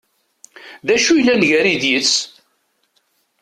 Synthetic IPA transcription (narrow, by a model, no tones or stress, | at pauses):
ðæʃujlːænʝæɾiðjət͡sː